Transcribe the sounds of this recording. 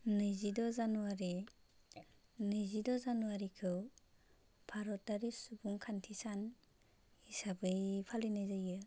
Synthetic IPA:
nɯjzidɔzanuwaɾi | nɯjzidɔzanuwaɾikʰɯw | pʰaɾɔt̚daɾisubuŋkʰantʰisan | isabɯjpʰalinɯjzajɯ

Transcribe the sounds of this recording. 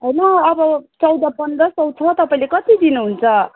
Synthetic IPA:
ɦojnʌːbʌt͡sʌwd̪ʌpʌnd̪ɾʌsʌw̃t͡sʰʌt̪ʌpaĩlekʌt̪id̪inuɦunt͡sʰʌ

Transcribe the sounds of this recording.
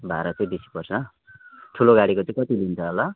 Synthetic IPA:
bʱaɾʌt͡sʌĩbisi̥pʌrsʌ | ʈʰuloɡaɽikot͡sʌ̃ĩkʌt̪ilint͡sʰʌɦola

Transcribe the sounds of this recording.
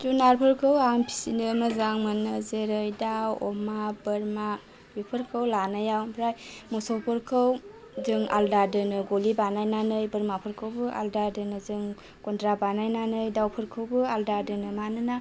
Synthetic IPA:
tunaɾpʰɯɾkʰɯwampʰi̥sinɯmazaŋmanɯzeɾɯjdawɔ̰mabɐɾma | bipʰɯɾkʰɯwlanajawpʰɾajmɔsɔpɔɾkʰɯw | zɯŋa̰ldaɾdɯnɯɡolibanajnanɯjbɐɾmapʰɯɾkʰɯwbɯʔa̰ldadɯnɯzɯŋ | kɔndɾabanajnanɯjdawpʰɯɾkʰɯwbɯaldaɾdɯnɯmanɯna

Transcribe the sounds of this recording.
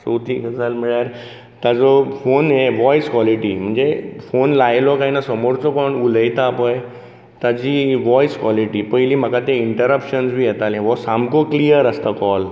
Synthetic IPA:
sot̪ikət͡salmiɭjaɾ | t̪ad͡zɔfonɦeʋɔjskwɔliʈim̤əɳd͡zefonlajlɔkaɦinasəmoɾt͡sɔkɔɳuləjt̪apəj | t̪ad͡ʑiːʋɔjskwɔliʈipəiliːm̤əkat̪eiɳʈəɾəpɕənsʋiːjɛt̪alẽʋɔsamkoklijəɾəst̪akɔl

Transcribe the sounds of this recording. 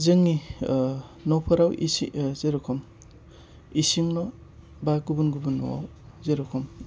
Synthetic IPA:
zɯŋi | nɔwpʰaɾawʔisḭzeɾɔkʰɔm | isiŋnɔ | baɡubunɡubunːṵwa̰w | zeɾɔkʰɔm

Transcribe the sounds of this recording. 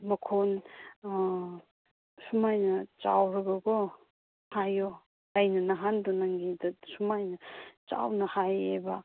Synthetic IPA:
mɐkʰon | sumajnɐt͡ʃa̰wɾɐɡɐɡo | hajo | lajnɐnɐɦandonaŋɡidɐsumajnɐt͡ʃa̰wnɐhajebɐ

